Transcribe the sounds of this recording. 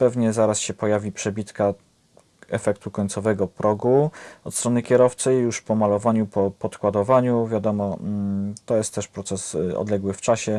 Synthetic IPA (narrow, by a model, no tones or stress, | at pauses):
pɛvɲɛzaɾasɕɛpɔjavʲipʂɛbʲit̪ka | ɛfɛk̚t̪ukɔɲt̪sɔvɛɡɔpɾʔɔɡuɔt̪st̪ɾɔnɘkʲɛɾɔft̪sɛjjuʂpɔmalɔvaɲupɔpɔt̪kwad̪ɔvaɲuvʲjad̪ɔmɔ | t̪ɔjɛst̪ːɛʂpɾɔt̪sɛsɔ̰d̪lɛɡwɘft͡ʂaɕɛ